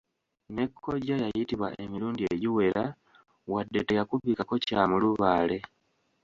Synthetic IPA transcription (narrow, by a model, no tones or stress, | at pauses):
ne̞kʰːo̞ɟajajitiβwa̰ʔemiɾuːndieɟiwe̞ɾʔa | wadːe̞teɣakuβiːkako̞caːmuluβaːle̞